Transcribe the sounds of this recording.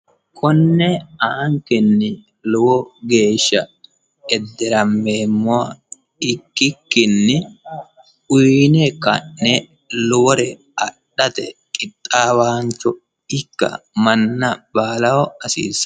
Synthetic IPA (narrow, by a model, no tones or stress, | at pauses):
kʰɔnːɛaŋkɪnːɪ | lʊwɔɡe̞ːʃːɐ | ɛd̪ːɛɾɐmːeːmːɔa | ɪkːɪkːɪnːɪ | ʊjnɛkɐ̰nːɛ | lʊwɔɾɛ | ɐɗːɐt̪ɛ̰kʼɪt̪ʼːaːwaːnt͡ʃːɔ | ɪkːɐ̰mɐnːɐbaːlɐwɔɐsḭːs